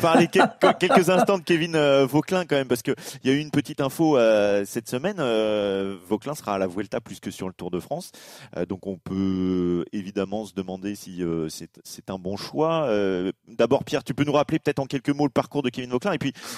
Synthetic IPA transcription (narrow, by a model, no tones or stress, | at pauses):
paʁlekɛkʲɛlkəzɛ̃st̪ɑ̃d̪əkʲevinøvoklɛ̃kɑ̃mɛmpaʁsə̥kəiljayːnpət̪it̪ɛ̃foøsɛt̪səmɛnø | vɔklɛ̃səʁaːlavwɛlt̪apːlyskəsyʁlət̪uʁd̪əfχɑ̃sø̰d̪ɔ̃kɔ̃pʰø | evid̪amɑ̃səd̪əmɑ̃d̪esiøsɛt̪sɛt̪ɛ̃bɔ̃ʃwaød̪abɔʁpjɛʁt̪ypønuʁaplepət̪ɛt̪χɑ̃kʲɛlkəmoləpaʁkuʁd̪əkʲevinvoklɛ̃epɥi